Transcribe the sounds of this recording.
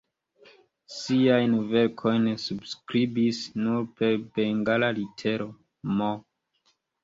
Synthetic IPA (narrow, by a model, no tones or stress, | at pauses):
siajnve̞ɾkʰo̞jnsubskɾibisnuɾpe̞ɾbeŋɡalalitʰe̞ɾo | mo